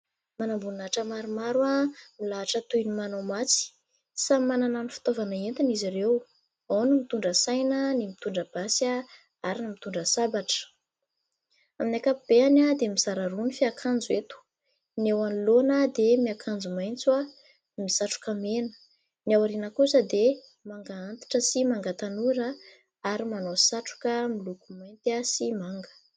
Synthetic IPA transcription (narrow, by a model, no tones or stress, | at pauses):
manambunaʈ͡ʂəmaɾumaɾwamilaːʈ͡ʂət̪ujnimanowmat͡si̥ | samanananifi̥t̪ovanaent̪iniziɾew | awnumit̪uɳɖ͡ʐəsajnənimit̪uɳɖ͡ʐəb̥asa | aɾinimit̪uɳɖ͡ʐəsabaʈ͡ʂə̥ | aminakapub̥eanad̪emizaɾaɾunifiakʰand͡zwet̪u̥ | newanilonəd̪emiakʰand͡zumajnt͡swa | misaʈ͡ʂu̥kamenə̥ | niawaɾinəkusəd̪e | maŋɡaant̪i̥ʈ͡ʂəsimaŋɡət̪anuɾə | aɾimanosaʈ͡ʂu̥kəmilukumajnt̪asimaŋɡə̥